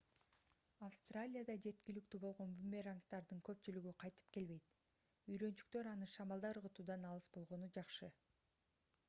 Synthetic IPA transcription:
afst̪ralʲijad̪ɑd͡ʒe̞t̪kilyk̚t̪ybo̞lˠʁo̞nbumʲeraŋkt̪ɑɾd̪ɯŋkø̞p̚t͡ʃylyɡyqʰɑjt̪ɯ̥p̚ke̞lβe̞jt̪ | yjɾø̞nt͡ʃy̥k̚t̪ø̞ɾɑnɯʃɑmɑlˠd̪ɑɾɯʁɯt̪uːd̪ɑnɑlˠɯsbo̞lˠʁo̞nud͡ʒɑqʃɯ

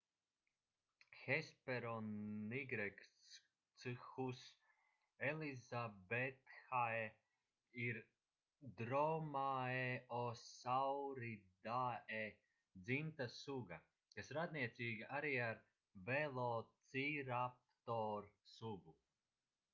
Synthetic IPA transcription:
xɛspeɾɔnːiɡɾɛk̪ | sɨxus | ɛlizabɛt̪xae | iɾ | d̪ɾɔmaeɔsawɾid̪aːe | d̪zint̪asuɡa | kasɾad̪niɛt̪siːɡiaɾiːaɾ | vɛlˠɔːt̪siːɾap̚t̪ɔːɾsuɡu

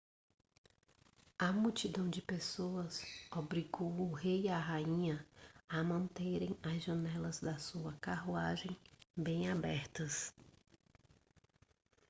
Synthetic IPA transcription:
ɐmut͡ʃid̪ɐ̃w̃d͡ʒɪpesoɐsobɾiɡowʊɦejaɦaĩɲɐɐmɐ̃nt̪eɾẽj̃ɐzʒɐnɛlɐzd̪ɐsuɐkaɦuaʒẽj̃bẽj̃abɛɾt̪ɐs

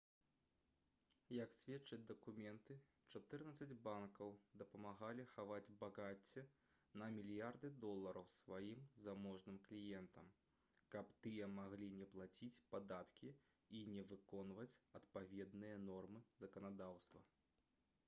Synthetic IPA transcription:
jɐksʲvʲɛt̪t͡ʂɐd͡zʲd̪ɐkumʲɛnt̪ɨ | t͡ʂat̪ɨrnɐt̪sɐd͡zʲbankɐwd̪ɐpɐmaɣalʲixavad͡zʲbaɣat͡sʲːɛ | nɐmʲilʲjard̪ɨd̪ɔlˠːɐɾɐwsvajimzamɔʐnɨmklʲijɛnt̪ɐm | kɐpt̪ɨjɐmaɣlʲinʲɛplˠat͡sʲit͡sʲpad̪at̪kʲi | inʲɛvɨkɔnvɐt͡sʲɐt̪pavʲɛd̪nɨjɐnɔrmɨzɐkɐnad̪awst̪vɐ̰

